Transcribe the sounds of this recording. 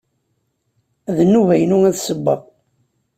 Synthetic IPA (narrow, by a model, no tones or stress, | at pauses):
ðənːuvæjənuŋæðsəbːɑ̰ʁ